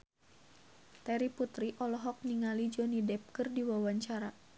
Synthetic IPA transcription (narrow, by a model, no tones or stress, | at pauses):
t̪ɛɾiput̪ɾiʔɔlɔɦɔk̚niŋalid͡ʒɔnidɛp̚kɨrdiwawaɲt͡ʃaɾa